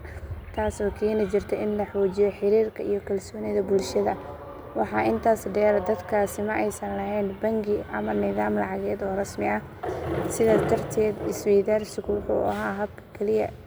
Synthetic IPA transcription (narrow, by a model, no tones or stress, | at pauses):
t̪ʰaːsɔːkʰɛːnɪt͡ʃɪrt̪ʰɛɪnlɐħɔːt͡ʃɪjɛħɪɾiːrkʰɐijɞkʰɐlsɔːnɪðɐbʊlʃɐðɐ | wɑħɑːʔɪnt̪ʰaːsɖɛːɾd̪ɐd̪kʰaːsɪmɐʔɛjsɐnlɐɦɛːnbɐŋɡɪʔɐmɐnɪðaːmlɑʕɑɣɛːd̪ɔːrɐsmɪɐ | sɪðɐt̪ʰɐrt̪ʰɛːd̪ɪswɛjd̪aːrsɪɣʊwʊħṵːʔɐ̰ɦaːɦɐb̚kʰɐ̥kʰɛlɪjɐ̰